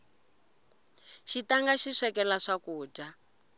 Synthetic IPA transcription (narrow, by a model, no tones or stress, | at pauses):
ʃitaŋɡaʃiʂɛkɛlaʂakuːd͡ʒa